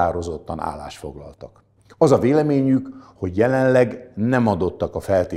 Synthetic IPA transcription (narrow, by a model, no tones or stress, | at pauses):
aːɾo̞zo̞t̪ːɒna̰ːlːa̰ːʃfo̞̰ɡlɒ̰lt̪ɒk | ɒzɒveːlɛmeːɲykho̞ɟjɛlɛnlɛɡnɛmɒd̪o̞t̪ːɒkɒfɛlt̪eː